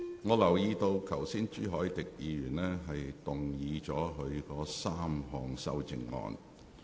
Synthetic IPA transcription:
ŋɔː˨˧lɐ˨˩wjiː˧t̪o˧wkʰɐ˨˩wsiː˥nt͡ʃyː˥ɦɔː˨˥jt̪ɪ˨k̚jiː˨˧jyː˨˩nlɛː˥ɦɐ˨jt̪ʊ˨ŋjiː˨˧t͡ʃɔː˨˥ɦɵ˨˧ɥkɔː˧saː˥mɦɔː˨˩ŋsɐ̰˥wt͡sɪ˨ŋŋɔ̰ː˧n

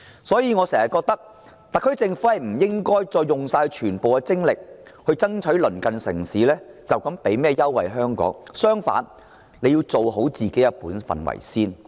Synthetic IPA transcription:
sɔː˨˥jiː˨˧ŋɔː˨˧sɛː˨˩ŋɐ˨t̚kɔː˧k̚t̪ɐ˥k̚ | t̪aɐ˨kʰːɵ˥ɥt͡sɪ˧ŋfu˨˥hjm̩˨˩jɪ˥ŋkɔː˥jt͡sɔː˧jːʊ˨ŋsaː˧t͡ʃʰyː˨˩npo˨wkɛ˧t͡sɪ˥ŋlɪ˨k̚hɵ˧ɥt͡sɐ˥ŋt͡ʃʰɵ˨˥ɥlɵ˨˩nkɐ˨nsɪ̰˨˩ŋsiː˨˥lɛː˥t͡sɐ˨wkɐ˨˥mpe˨˥jmɛː˥jɐ˥wːɐ̰˨jɦœː˥ŋkɔ̰ː˨˥ŋsœː˥ŋfa̰ː˨˥n | le˨˧jiː˧wt͡so˨wɦo˨˥wt͡siː˨ke˨˥jɐ˥puː˨˥nfɐ̰˨nwɐ̰˨˩jsiː˥n

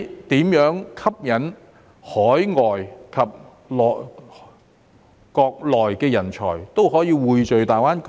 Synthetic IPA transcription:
t̪iː˨˥mjœː˨˥ŋkʰɐ˥p̚jɐ˨˥n | hɔː˨˥jŋɔː˨jkʰɐ˨p̚ | lɔː˨ | kɔː˧k̚lɔː˨˩jkɛː˧jɐ˨˩nt͡ʃʰɔ̰ː˨˩jt̪o˥wɦɔː˨˥jiː˧wuː˨jt͡ʃɵ˨ɥt̪aː˨˩jwaː˥nk

